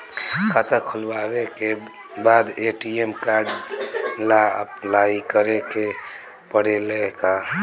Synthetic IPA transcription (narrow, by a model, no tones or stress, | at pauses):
kʰat̪əkʰʊlwaweke | baːd̪eʈiemkaɾɖ | laəplaikəɾeke | pəɽeleka